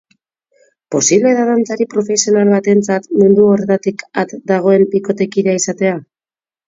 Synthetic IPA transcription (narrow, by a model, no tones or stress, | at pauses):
po̞siβle̞ðaðant͡saɾipɾo̞fe̞sio̞nalβat̪e̞nt͡sat̪mund̪uo̞ɾet̪at̪ikat̪d̪aɣ̞o̞e̞mbiko̞t̪e̞kiɾaisat̪e̞a